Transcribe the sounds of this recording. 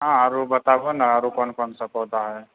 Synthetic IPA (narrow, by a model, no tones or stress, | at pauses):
ɦãəɾubət̪abənaəɾukɔnkɔnsəkɔt̪aɦɛ